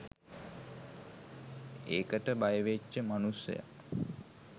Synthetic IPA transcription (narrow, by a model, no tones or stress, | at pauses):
eːkəʈəbajəʋet͡ʃːəmanusjə̰ja̰